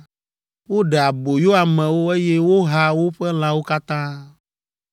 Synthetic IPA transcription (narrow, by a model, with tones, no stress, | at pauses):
wo˦ɖɛ˨a˨bo˨jo˦a˨mɛ̃˨wo˦e˦je˦wo˦ɦa˦wo˦ɸɛ˦l̃ã˦wo˦ka˦t̪ã˦